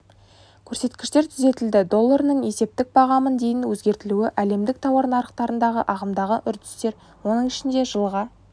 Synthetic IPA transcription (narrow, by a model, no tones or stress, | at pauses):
kʲʰɵɾse̞t̪kʲɪ̥ʃt̪e̞ɾt̪ʰʏze̞t̪ɪld̪ɪd̪o̞lˠːaɾnəɴe̞se̞p̚t̪ɪk̚bɑʁɑmənd̪e̞jɪnwɵzɡʲe̞ɾt̪ɪluɪʔæle̞md̪ɪk̚t̪ʰɑwɑɾnɑɾəqt̪ɑɾənd̪ɑʁəʔɑʁəmd̪ɑʁəʔʏɾd̪ɪ̥st̪e̞ɾ | wo̞nəɴɪʃɪnd̪e̞ʒəlˠʁɑ